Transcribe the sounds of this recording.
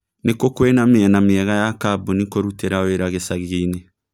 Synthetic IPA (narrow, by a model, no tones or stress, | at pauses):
nekokwenamiɛnamiɛɣajakabunikoɾuteɾaweɾaɣesaɣiːne